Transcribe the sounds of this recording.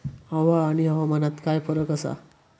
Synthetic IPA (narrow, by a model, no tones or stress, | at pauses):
ɦəʋaːñiɦəʋamənat̪kajfəɾəkəsa̰